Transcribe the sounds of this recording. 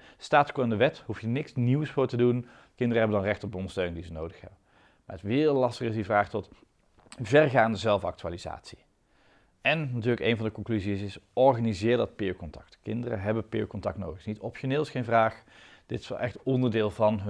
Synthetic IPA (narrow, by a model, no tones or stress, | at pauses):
staːtkoɪndəʋɛthufjənɪksniwsfʊːɹtədun | kɪndərəɦɛbəndɑnrɛχtɔb̚dəɔndəɹstøɥnɪŋdizənowdəxhɛ̰bə | maːətʋɪːlɑstəχəɪsdivraːχtɔt | vɛrɣaːndəzɛlˠfɑ̰k̚tyaːliza̰ːtsi̥ | ɛnnatyːɹləkejnvɑndəkɔŋklyziɪsɪsɔɹχanizɪːɹdɑt̚pɪːkɔntɑ̥k̚tkɪndərə̰ɦɛbənpɪ̰ːəkɔntɑk̚tno̰wdəxsnitɔpʃoneːlˠɪsχejnvraːχd̥ɪtɪ̥sʋɛ̰lˠʔɛxtɔndəɹdɪːlˠvɑnɦ